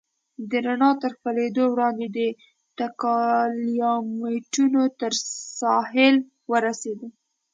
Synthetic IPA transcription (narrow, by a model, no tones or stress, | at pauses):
d̪əɾanɑt̪əɾxpəled̪owɽɑnd̪ed̪ə | t̪akɑliɑmeʈunot̪əɾsɑɦɪl | wəɾased̪ə